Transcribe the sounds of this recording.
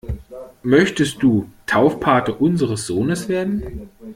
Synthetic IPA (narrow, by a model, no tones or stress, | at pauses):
mœçtəst̚d̥uːtʰaʊfpʰaɐtəʔʊnzəʁəsz̥oːnəsv̥eːɐdn̩